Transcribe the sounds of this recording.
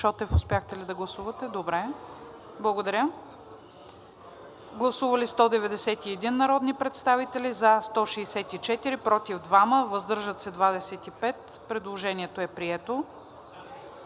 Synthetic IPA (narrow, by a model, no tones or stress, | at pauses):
ʃɔt̪ɛfʊspjaxt̪ɛlid̪ɐɡlˠɐsuvɐt̪ɛd̪obɾɛ | blˠɐɡod̪ɐɾʲə | ɡlˠɐsuvəlist̪ɔd̪ɛvɛd̪ɛsɛt̪iɛd̪inːɐɾɔd̪nipɾɛt̪st̪avit̪ɛlizɐst̪ɔʃɛːsɛt̪it͡ʃɛt̪iɾipɾɔt̪ivd̪vaməvɐzd̪ɤɾʒət̪sɛd̪vad̪ɛsɛt̪ipɛt̪pɾɛd̪lˠoʒɛniɛt̪oɛpɾiɛt̪o